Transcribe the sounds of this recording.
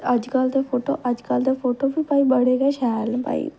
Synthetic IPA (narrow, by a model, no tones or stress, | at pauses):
əd͡ʒkəld̪eːpʰoːʈo̰ːʔəd͡ʒkəld̪eːpʰoːʈoːbiːpaːiːbəɽeːɡɛːʃʰɛːlpa̰ːḭː